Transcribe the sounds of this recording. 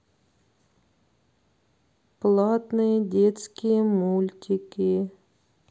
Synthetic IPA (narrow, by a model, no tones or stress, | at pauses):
plˠat̪nɨjədʲet̪skʲɪjəmulʲtʲɪkʲɪ